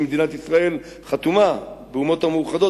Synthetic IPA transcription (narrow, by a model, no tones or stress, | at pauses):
med̪inat̪isʁae̞l | χat̪umabeumo̞t̪hamuuχad̪o̞